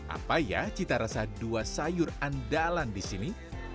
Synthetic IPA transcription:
ʔa̰paja̰t͡ʃit̪aɾasaduasajʊrandalandisini

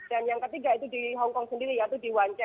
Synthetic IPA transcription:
d̥anjaŋkət̪iɡait̪udiɦɔŋkɔŋsəndiɾijat̪udiwaɲt͡ʃa

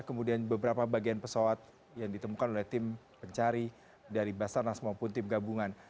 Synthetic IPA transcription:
kəmudianbəbəɾapabaɡianpəsawat̪̚ | jaŋdit̪əmukanolɛht̪ɪm | pəɲt͡ʃaɾi | daɾibasarnasəmuapʊnt̪ɪmɡabuŋan

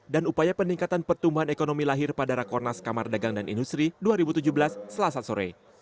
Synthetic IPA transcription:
danupajapəniŋkat̪anpərt̪umbuɦanekonomilaɦɪrpadaɾakɔrnaskamardaɡaŋdanʔḭndust̪ɾiduaɾibut̪ud͡ʒuhbəlasːəlasasoɾḛ

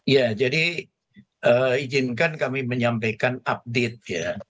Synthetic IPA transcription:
jad͡ʒadi | ʔəid͡ʒɪnkankamiməɲampajkanap̚det̪̚ja

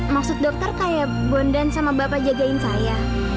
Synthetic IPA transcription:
maksʊt̪̚dɔk̚t̪ərkaja | bɔndansamabapad͡ʒad͡ʒaɪnsaja

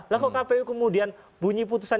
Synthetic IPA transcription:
lakokapeukəmudian | buɲiput̪usan

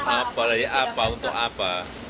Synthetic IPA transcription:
ʔapalajaʔapaunt̪ɔ̰ʔapa

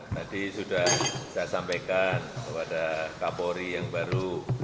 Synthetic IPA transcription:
t̪adisudahsajasampajkankəpadakapoɾijaŋbaɾu

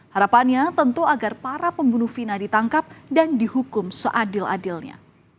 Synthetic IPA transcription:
haɾapanɲat̪ənt̪uaɡarpaɾapəmbunʊhfinadit̪aŋkap̚dandihukʊmsəʔadɪlʔa̰dɪlɲa̰

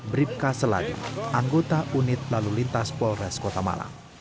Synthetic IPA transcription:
bɾip̚kasəla̰dḭʔaŋɡot̪aʔunɪt̪̚lalulint̪aspɔlrɛskot̪ama̰la̰m

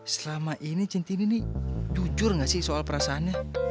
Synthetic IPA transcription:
səlamaʔinit͡ʃint̪ininid͡ʒud͡ʒʊrŋɡaʔsɪhsoalpəɾasaːnɲa

